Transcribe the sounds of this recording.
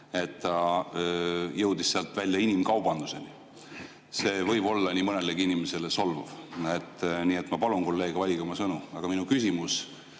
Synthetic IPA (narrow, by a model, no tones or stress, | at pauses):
e̞t̪ːɑ | jɤwd̪isseɑlt̪ˑvælʲjɑinimkɑwb̥ɑnd̪̥use̞ni | se̞ːvɤjb̥o̞lːɑnimɤne̞leɡiinimese̞leso̞lvɑ̰vet̪ːˑnie̞t̪mɑpɑlunko̞lːe̞ːɡ̥ɑvɑlʲiɡ̥ɑmɑsɤnuɑɡ̥ɑminukysʲimus